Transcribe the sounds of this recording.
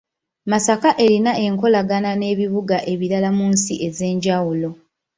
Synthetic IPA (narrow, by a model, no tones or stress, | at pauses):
masakaʔe̞ɾinaʔe̞ŋko̞laɡanane̞ːβiβuɡaʔe̞βiɾalamuːnsiʔe̞ze̞ːɲɟawulo̞